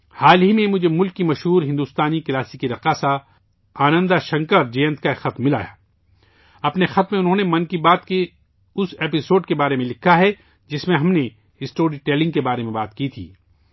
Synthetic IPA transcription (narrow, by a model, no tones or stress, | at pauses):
haːlɦimẽmʊd͡ʒʱemʊlkːimɐʃɦuːɾɦɪ̃nd̪ust̪aːnikɐlaːsikiɾɐqaːsa | aːnə̃nd̪aʃɐ̃ŋkəɾd͡ʒeːə̃nt̪kaexɐt̪mːɪla̰ːja̰ː | ɐpnexɐt̪mẽʊnɦõːnemɐ̃nkibaːt̪ke | ʊseːpɪsoːɖkebaːɾemẽlɪkʰːaɦɛ | d͡ʒɪsmẽɦɐmne | ɪsʈoːɾiʈɛːlɪ̃ŋɡ̚kebaːɾemẽbaːt̪kit̪ʰḭː